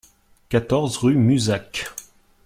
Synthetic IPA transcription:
kat̪ɔʁzʁymyzak

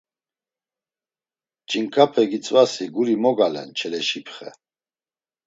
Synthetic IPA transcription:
d͡ʒʼiŋkʰʼapʰɛɡit͡sʼvasiɡuɾimɔɡalɛ̰nt͡ʃʰɛlɛʃipʰχɛ̰

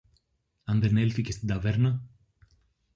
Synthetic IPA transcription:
and̪eɾnelfikʲest̪id̪avɛɾnɐ

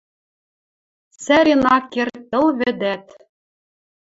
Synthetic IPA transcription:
sæɾʲenɑkːert̪ɤ̆lβɘ̆d̪æt̪

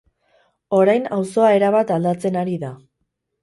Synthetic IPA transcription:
o̞ɾajnawso̞ae̞ɾaβat̪ald̪at͡se̞naɾiða

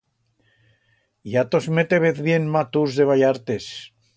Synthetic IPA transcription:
jat̪ozmet̪eβeθβjenmat̪uzðeβajaɾt̪es

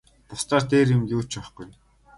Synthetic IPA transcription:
p̪ʊst̪aːrt̪eːɾjɪ̆mjuːt͡ɕɔχɡuj

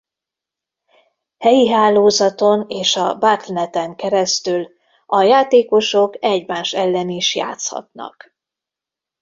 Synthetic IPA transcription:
hɛjiɦaːloːzɒt̪o̞neːʃɒbat̪lɛnɛt̪ɛŋkɛɾɛst̪yl | ɒjaːt̪eːko̞ʃo̞kɛɟmaːʃɛlːɛniʃja̰ːt̪shɒ̰t̪nɒ̰k

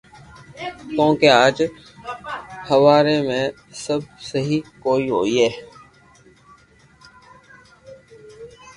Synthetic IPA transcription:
t̪õːkeaːd͡ʒ | həʋaːɾeːmẽː | səb̚səɦikoːiːɦo̰ːiːɦɛː

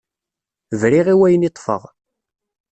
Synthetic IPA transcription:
vɾiʁiwæjənit̪ˤfə̰ʁ

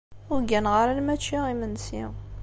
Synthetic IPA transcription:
ʊɾɡænʁəɾalmæt͡ʃːiʁimənsḭ

